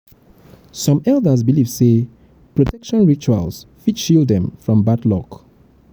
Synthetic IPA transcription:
sɔ̃mɛlˠdəzbilivse | pɹɔtʰɛkʃɔ̃nɹit͡ʃua̰lsfitʃildɛ̃mfɹɔ̃mbatlɔk

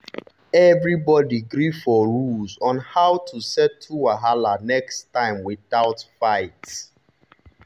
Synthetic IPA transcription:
ɛvɹibɔdiɡɾifɔɹulzɔ̃nhaʊtʰusɛtʰːuwaɦalanɛkstːãɪ̃mwiðaʊtfaɪt

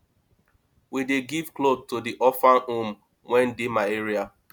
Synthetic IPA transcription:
wideɡivklob̚todiʔɔfãnũm | wɛ̃ndemaeɹia

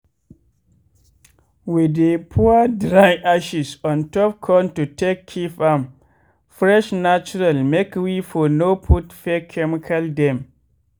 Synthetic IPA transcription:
widepʰuadɾajʔaʃisɔ̃ntɔp̚kʰɔ̃ntutʰekʰːifam | fɹɛʃnat͡ʃuɾalmekwifɔnopʰutfɛkʰɛmikʰaldɛ̃m

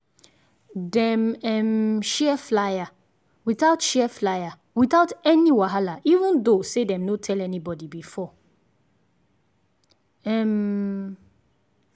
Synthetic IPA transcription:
dɛ̃mɛmʃɛflaja | wiθaʊtʃɛflaja | wiθaʊtɛniwaɦalaʔivũndosedɛ̃mnotʰɛlɛnibɔdibifɔ | ɛm

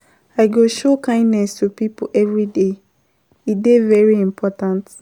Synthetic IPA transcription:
aɪɡoʃokãɪ̃ndnɛstupipoʔɛvɹide | idevɛɹiĩmpʰɔtãnt

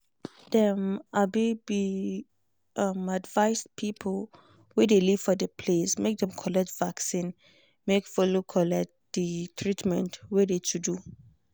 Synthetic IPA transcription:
dɛmabibi | amadvaɪspʰipʰl | wɛdeliv̥fɔdəpʰlesmek̚dɛ̃mkʰɔlɛk̚tvaksĩn | mekfɔlokʰɔlɛk̚td̥ətʰɹitmɛ̰̃ntwedetʰudu

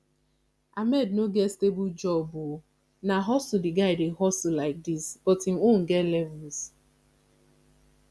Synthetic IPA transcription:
amɛdnoɡestebʊd͡ʒɔbo | naɦɔsdɪɡaɪdeɦɔsʊlaɪk̚disb̥ɔtimon̩ɡɛlɛvʊls

